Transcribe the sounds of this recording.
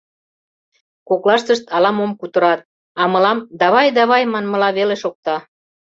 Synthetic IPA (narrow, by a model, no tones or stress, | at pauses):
koklɑʃt̪əʃt̪ʰɑlɑmomkut̪əɾɑt̪̚ | ɑmə̆lɑmd̪ɑβɑjd̪ɑβɑjmɑnmə̆lɑβeleʃok̚t̪ɑ